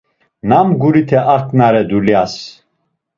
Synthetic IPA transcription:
namɡuɾit̪ʰɛʔakʰʼnaɾɛd̪uljas

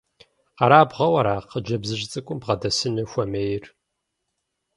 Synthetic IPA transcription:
qɐɾaːbʁɐwɐɾaːqʰəd͡ʒɐbzɨɕt͡sʼɨkʷʼʊmbʁɐdɐsɨnɨxʷɐmejɪr

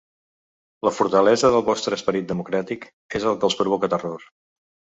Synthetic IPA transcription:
ləfuɾt̪əlɛzəðəlˠβɔst̪ɾəspəɾit̪̚d̪əmukɾat̪ik | ezəlˠkəlˠspɾuβ̞ɔkət̪əror

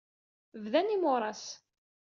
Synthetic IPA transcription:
vðænimʊɾˤɑs

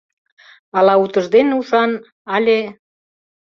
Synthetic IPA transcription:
ɑlɑut̪ə̆ʒd̪enuʃɑn | ɑlʲe

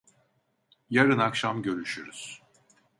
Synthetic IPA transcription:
jaɾɯnakʃamɟø̞ɾyʃyɾyz̥

